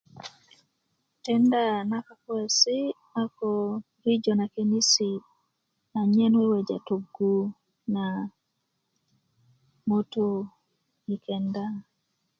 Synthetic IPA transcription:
tɛ˦nda˦na˦ka˨kwɛ˨si˦ | a˦kɔ | ɾi˦d͡ʒɔ˨na˨ke˨ni˦si˨ | a˨ɲɛ˦nwe˦wɛ˨d͡ʒa̰˨to˨ɡu˦ | na˨ | mo˦to˦ | i˨kʰɛ˨nda˦

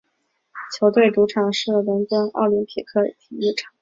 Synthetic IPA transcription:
t͡ɕʰjo˧˥ʊt̪we˥˩ɪʈ͡ʂu˧˥ʈ͡ʂʰɑ˨˩ŋʂɻ̩˥˩lə˧˥nkə˥ŋɑ̰˥˩ʊli˧˥npʰi˨˩kʰɤ˥˩tʰi˨˩i˥˩ʈ͡ʂʰɑ̥˨˩˦ŋ

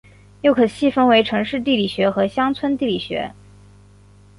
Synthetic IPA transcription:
jo˥˩ʊkʰɤ˨˩ɕi˥˩fə˥ŋwe˧˥ɪʈ͡ʂʰɤ˧˥ŋʂɻ̩˥˧t̪̬i˥˩li˨˩ɕɥɛ˧˥xɤ˧˥ɕjɑ˥ŋt͡sʰwə˥nt̪i˥˩li˨˩ɕɥɛ̰˧˥

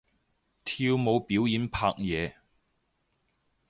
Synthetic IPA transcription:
t̪ʰiː˧wmo˨˧wpiː˨˥wjiː˨˧˥npʰa̰ː˧k̚jɛː˨˧

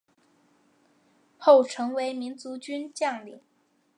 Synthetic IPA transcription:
xo˥˩ʊʈ͡ʂʰɤ˧˥ŋwe˧˥ɪmi˧˥nt͡su˧˥t͡ɕy˥nt͡ɕjɑ˥˧ŋli˨˩

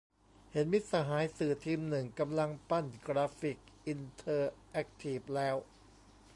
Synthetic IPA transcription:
he˩˦nmi˦˥t̪̚sa˧ɦaː˩˦jsɯː˨˩t̪ʰiː˧mnɯ˨˩ŋka˧mla˧ŋpa˥˩nkɾaː˧fi˨˩k̚ʔi˧nt̪ʰɤː˧ʔɛ˦˥k̚t̪ʰiː˨˩p̚lɛː˦˥w

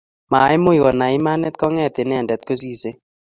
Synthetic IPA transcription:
ma˨˦ɪ˦mo˦i˨kɔ˨na˨ɪ˦ma˦nɛ˦t̪̚kɔ˦ŋɛ˦˨t̪ɪ˨nɛ˦a˨ndɛ˨t̪̚ko˦s̬i˦se˦

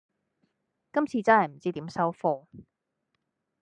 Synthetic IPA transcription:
kɐ˥mt͡sʰiː˧t͡sɐ˥nhɐ˨jm̩˨˩t͡siː˥t̪iː˨˥msɐ˥wfɔː˧

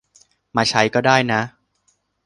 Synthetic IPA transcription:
maː˧˥t͡ɕʰa˦˥jkɔː˥˩daː˥˩jna˦˥

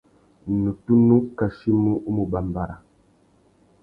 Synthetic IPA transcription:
nu˨tu˦nu˦ka˨ʃi˦mu˦ʔu˦mu˨ba˨m˨ba˨ɾa̰˨

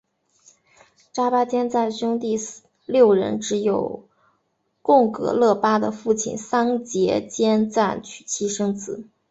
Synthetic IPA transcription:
ʈ͡ʂa˥pa˥t͡ɕjɛ˥nt͡sa˥˩ɪɕʊ˥ŋt̪i˥˧ | ljo˥˩ʊɻə̰˧˥nʈ͡ʂɻ̩˧˥jo˨˩ʊ | kʊ˥˩ŋkɤ̰˧˥lɤ˥˩pa˥d̪ə̰˨fu˥˩t͡ɕʰḭ˨˩nsɑ˥ŋt͡ɕjɛ˧˥t͡ɕjɛ˥nt͡sa˥˩nt͡ɕʰy̥˨˩t͡ɕʰi˥ʂɤ˥ŋt͡sɹ̩˨˩˦

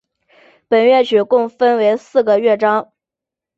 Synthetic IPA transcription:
pə˨˩nɥɛ˥˩t͡ɕʰy˨˩kʊ˥˩ŋfə˥nwe˧˥ɪsɹ̩˥˩ɡə˩ɥɛ˥˩ʈ͡ʂɑ˥ŋ

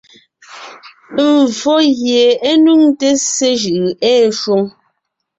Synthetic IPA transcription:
m˨vɔ˦ɣje˨e˦nu˦ŋte˦se˦ʒʉ˨ʔɛː˦ʃwo˦ŋ

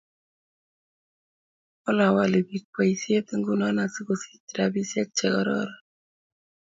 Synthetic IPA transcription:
ɔ˦la˨wa˨le˨bi˨k̚wa˨i˨sje˦t̪i˦ŋɡu˨nɔ˦na˨si˦ko˨si̥˦ti˨ɾa˨bi˦sɛ˦k̚t͡ʃɛ˨kɔ˦ɾɔ̰ɾɔ˨

